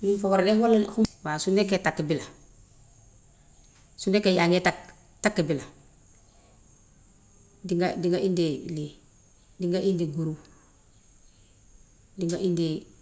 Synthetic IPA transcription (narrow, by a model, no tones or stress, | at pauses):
nimfoɡaɾadeːhwalːahuwasunekːetakːibila | sunekejaŋetak | takːibila | diŋɡadiŋɡaindili | diŋɡaʔindiɡuɾu | diŋɡaʔindi